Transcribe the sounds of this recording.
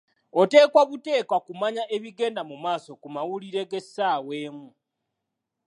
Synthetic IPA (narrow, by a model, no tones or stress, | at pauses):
o̞te̞ːkwaβute̞ːkwakumaɲaʔe̞βiɡe̞ːndamumaːso̞kumawuliɾe̞ɡe̞sːaːwe̞ːmu